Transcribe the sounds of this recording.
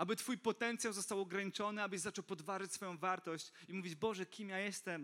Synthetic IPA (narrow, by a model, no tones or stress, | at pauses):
ʔabɘt̪fujpɔt̪ɛnt̪sʲjawzɔst̪awɔɡɾaɲit͡ʂɔnɘabɘɕzat͡ʂɔwpɔd̪vaʐat͡ɕʲsfɔjɔ̃w̃vaɾt̪ɔɕt͡ɕimuvʲid͡ʑbɔʐɛkʲimjajɛst̪ɛm